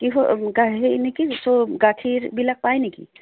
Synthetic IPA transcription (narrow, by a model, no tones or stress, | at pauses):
kiɦoɡaenɛkisoɡaʈʰiɾbʱilak̚pajnɛkḭ